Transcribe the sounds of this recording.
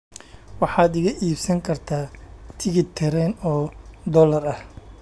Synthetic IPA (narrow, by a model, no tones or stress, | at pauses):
wɑħɑːd̪ɪɣɐʔiːbsɐŋkʰɐrt̪ʰaːt̪ʰɪɣɪt̪ʰɛɾɛːnɔːd̪ɔlɐrɐh